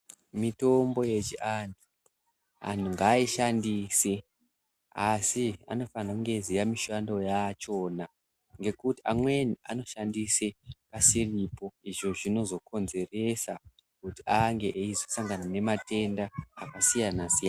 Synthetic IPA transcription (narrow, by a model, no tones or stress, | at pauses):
mito̞mbo̞jet͡ʃiʔantʰu | a̰n̤uŋɡaːiʃandiːse | asia̰no̞fanakuŋɡe̞zijamiʃando̞jat͡ʃo̞ːna | ŋɡe̞kutiamwenia̰no̞ʃandisepasiripo̞iʐo̞ʐino̞zo̞kʰo̞nze̞re̞sa | kutiaŋɡe̞ʔeizo̞saŋɡanane̞mate̞ndaːkasijanasijana